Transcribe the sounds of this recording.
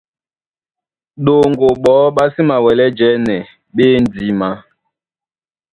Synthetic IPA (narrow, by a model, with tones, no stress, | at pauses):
ɗo˨ŋɡo˨ɓɔː˨˦ɓa˦si˦ma˨wɛ˨lɛ˦d͡ʒɛ˨˦nɛ˨ | ɓeː˦n˦d͡zi˨ma˦